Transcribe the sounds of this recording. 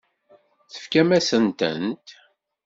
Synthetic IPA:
θə̥fkæmæsənt̪ə̰nt̪

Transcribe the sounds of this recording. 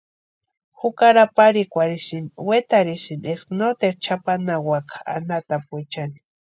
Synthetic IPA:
xukaɾapaɾikʷaɾiʃinwet̪aɾiʃinesknot̪eɾt͡ʃʰapanawakḁa̰nat̪apet͡ʃani̥

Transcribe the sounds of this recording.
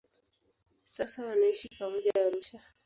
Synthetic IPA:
sasawanaiʃipamɔʄaaɾuʃa

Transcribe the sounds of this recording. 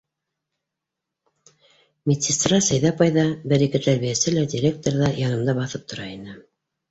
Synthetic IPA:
mʲet̪ʲsʲɪst̪rɑsæjðæpɑjðɑbɘɾikɘt̪æɾβijæsɘlædʲiɾʲek̚t̪oɾðɑjɑnɤ̆md̪ɑbɑθɤp̚t̪ŏɾɑinɘ

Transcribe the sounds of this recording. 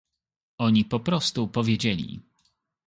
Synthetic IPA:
ɔɲipɔpɾɔst̪upɔvʲjed͡ʑelʲḭ

